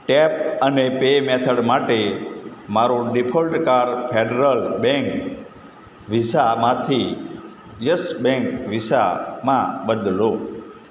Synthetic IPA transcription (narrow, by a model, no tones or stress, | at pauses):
ʈepənepemet̪ʰəɽmaʈemaɾoɖipʰolʈkaɾpʰeɖɾəlbẽŋk | ʋisamãt̪ʰi | jəsbẽŋkʋisa̰mãbəd̪llo